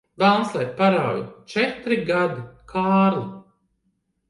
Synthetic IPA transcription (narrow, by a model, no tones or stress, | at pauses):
balnslˠɛpaɾawjṵt͡ʃɛt̪ɾiɡad̪ikʰaːɾlˠi